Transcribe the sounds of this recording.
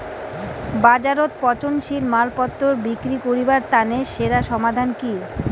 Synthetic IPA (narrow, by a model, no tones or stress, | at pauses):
bad͡ʑaɾot̪̚pɔt͡ɕonʃilmalpɔt̪ːoɾbikɾikoɾibaɾt̪aneʃeɾaʃɔmad̪ʱanki